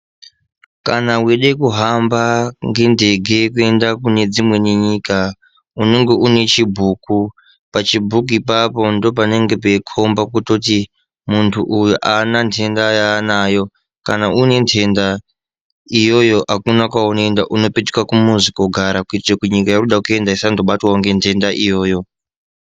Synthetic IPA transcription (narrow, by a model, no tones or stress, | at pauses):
kanawe̞ɗekuɦambaŋɡe̞nde̞ɡʱe̞kue̞ndakune̞d͡zimwe̞neɲiːka | une̞ŋɡe̞ʔune̞t͡ʃibʱuːku | pat͡ʃibʱukuipapo̞ndo̞p̬ane̞ŋɡe̞pekʰo̞mbakuto̞ti | muntʰuʔujuʔanantʰe̞ndajanaːjo̞ | kanaʔune̞ntʰe̞nda | ijo̞jo̞ʔakunakwaunoendaʔuno̞petu̥kwakumuzikoɡʱaɾakuitirakuɲikajiruɗakue̞ndaisando̞ɓatwauŋɡe̞ntʰe̞ndaʔijo̞ːjo̞